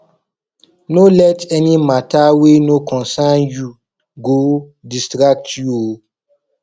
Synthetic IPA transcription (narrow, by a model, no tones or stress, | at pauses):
nolɛtɛnĩmatawenokʰɔ̃nsãnju | ɡodistɾak̚tjuo